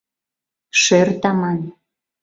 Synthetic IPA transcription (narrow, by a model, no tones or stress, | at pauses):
ʃørt̪ɑmɑn